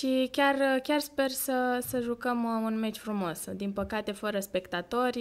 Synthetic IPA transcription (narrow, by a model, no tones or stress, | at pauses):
ʃikʲarkʲarspe̞rsəsəʒukəmunme̞t͡ʃʲfɾumo̞sd̪inpəkat̪e̞fəɾəspe̞kt̪at̪o̞rʲ